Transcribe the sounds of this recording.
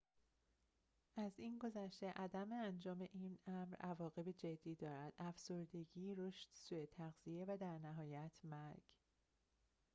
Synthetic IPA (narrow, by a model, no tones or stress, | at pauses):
ʔæziːnɡo̞zæʃt̪e̞ʔæd̪æmeænd͡ʒɒːme̞ʔiːnæmɾævɒːɣe̞bed͡ʒe̞d̪ːiːd̪ɒːɾæd̪̥ʔæfso̞ɾd̪e̞ɟiːɾoʃt̪suːet̪ʰæɣz̥ie̞væd̪æɾnæɦɒːjæt̪ʰmæɾɡ̥